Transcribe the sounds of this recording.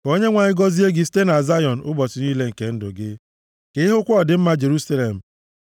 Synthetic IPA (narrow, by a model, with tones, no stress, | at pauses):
ko˦ɲe˦ŋʷa˨ɲɪ˦ɡɔ˦zi˦e˦ɡɪ˦ste˦na˨za˦jɔ˨n̩˨ʊ˦bɔ˨sɪ˨niː˦le˦ŋ̩˨ke˨n̩˦dʊ˨ɡɪ˦ | ke˦i˦ɦʊ˦kʷʊ˦ɔ˨dɪ˨m̩˦ma˦d͡ʒe˨ɾu˦sa˦le˨m̩˨